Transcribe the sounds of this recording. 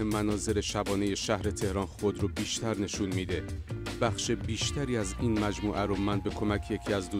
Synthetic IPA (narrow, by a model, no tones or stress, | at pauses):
emænɒːze̞ɾe̞ʃæbɒːneje̞ʃæhɾe̞t̪ʰe̞hɾɒːnxo̞d̪ɾubiːʃt̪ʰæɾne̞ʃunmiːd̪e̞b̥æxʃebiːʃt̪ʰæɾiːæziːnmæd͡ʒmuːʔæɾomænbe̞kʰo̞mæcʰje̞cʰiːæzd̪uː